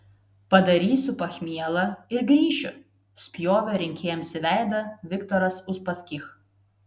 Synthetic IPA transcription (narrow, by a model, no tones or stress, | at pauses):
pɐd̪ɐɾʲiːsʲʊpɐxʲmʲiɛlˠɐɪɾɡɾʲiːʃʲʊ | sʲpʲjoːʋʲɛɾʲɪŋʲkʲeːjɛmsʲɪʋʲæˑɪd̪ɐʋʲɪkt̪ɔɾɐsʊʃpɐsʲkʲix